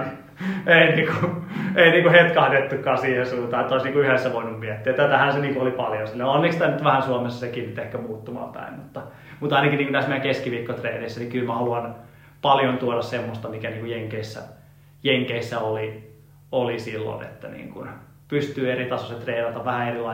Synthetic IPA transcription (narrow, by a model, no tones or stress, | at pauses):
einiːkueiniːŋkuhet̪kɑɑt̪et̪ːukːɑːsiːhesuːt̪ɑːet̪ːæoˑisniːŋkuyhesːæʋoinummiɛt̪ːiætt̪æt̪æhænseniːŋkuolipɑljonsilːæonːikst̪ænyt̪ʋæhænsuomesːɑsekiːnnyt̪ehkæmuːt̪ːumɑ̰mpæ̰immut̪ːɑ | mut̪ɑinɑkiniŋkunt̪æsmiækeskiʋiːkːot̪reːneisːænikylmæhɑluɑn | pɑljont̪uodɑssemːost̪ɑmikæniːŋkujeŋkeisːæ̰ | jeŋkeisːæoli | olisilːo̰nḛt̪ːænḭːŋkun | pyst̪yːerit̪ɑsoset̪reːnɑt̪ɑʋʋæhæerilɑ